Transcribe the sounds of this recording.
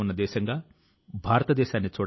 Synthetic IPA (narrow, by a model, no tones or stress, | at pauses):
unːɐd̪ɛːʃɐŋɡaː | bʱaːɾɐt̪ɐd̪ɛːʃaːnːit͡ʃuːɽ